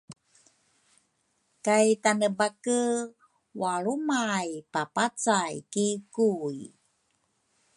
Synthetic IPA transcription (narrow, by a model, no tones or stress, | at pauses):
kajtanəbakə | waɭumajpapat͡sajkikuj